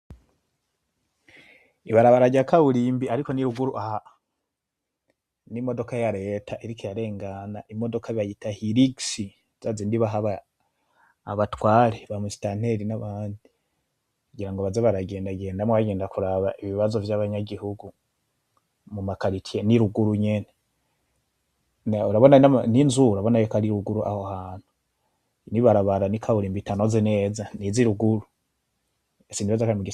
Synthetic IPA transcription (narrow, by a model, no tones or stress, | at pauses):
iβaɾaβaɾaɟakaβuɾiːmbiaɾiko̞niɾuɡuɾuʔaha | nimo̞do̞kajaɾe̞ːtʰaʔiɾikʰejaɾe̞ːŋɡanaʔimo̞do̞kʰaiβajitahiɾiɡsi | z̥azindiβaɦaβa | βatwaːɾeβamusi̥tan̥eɾinaβaːndi | kuɡiɾaŋɡoβazeβaɾaɡe̞ːndaɡe̞ːndamwaβaɡe̞ːndakuɾaβaʔiβiβazo̞vjaβaɲaɡihuɡu | mumakaɾitʰieniɾuɡuɾuɲe̞ne | nuɾaβonaaaninzuuɾaβo̞najokaɾiɾuɡuɾuʔa̰hohaːn̥hu̥ | niβaɾaβaɾanikʰaβuɾimbitanozene̞ːzaniziɾuɡuɾu | esimbiβazakaɾimuɡi